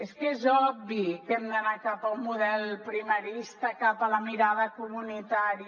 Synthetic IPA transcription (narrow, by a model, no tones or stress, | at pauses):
eskezɔbikɛmd̪ənakapəumːuðɛlˠpɾiməɾist̪əkapələmiɾaðəkumunit̪aɾi